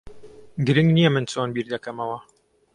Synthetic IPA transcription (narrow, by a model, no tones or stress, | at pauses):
ɡɨɾɨŋɡnijɛmɨnt͡sonbiːɾd̪ɐkɐmɐwɐ